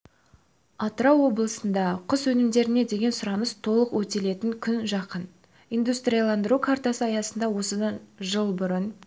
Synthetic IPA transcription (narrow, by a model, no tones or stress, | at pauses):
ɑt̪ɾɑwo̞blˠəsənd̪ɑqʰʊswɵnɪmd̪e̞ɾɪne̞d̪e̞ɡʲe̞nsʊɾɑnəst̪ʰo̞lˠəqwɵt̪e̞le̞t̪ɪŋkʲʰʏnʒɑqən | ijnd̪ust̪rʲijalˠɑnd̪əɾukʰart̪asəɑjɑsənd̪ɑwo̞səd̪ɑnʒəlˠbʊɾən